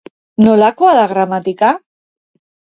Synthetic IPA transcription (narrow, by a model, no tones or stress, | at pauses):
nolakoaðaɣɾamat̪ika